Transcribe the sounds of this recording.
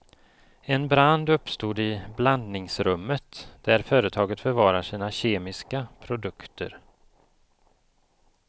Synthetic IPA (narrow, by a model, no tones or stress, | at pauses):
ɛnbɾand̪ɵpːst̪uːd̪ɪbland̪nɪŋsɾɵmːət̪d̪̥æɾfœːɾət̪ʰɑːɡət̪fœɾvɑːɾaʂiːnaɕeːmɪskapʰɾʊd̪ɵkt̪ʰə̰ɾ